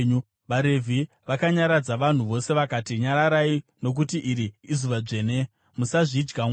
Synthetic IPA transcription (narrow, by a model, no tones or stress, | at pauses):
u | ʋaɾevʱi | ʋakaɲaɾad͡zaʋan̤uʋo̞se̞ʋakatiɲaɾaɾaino̞k̬utiʔiɾiːzuʋad͡ʐe̞ːne | musaʐid͡ʒɡam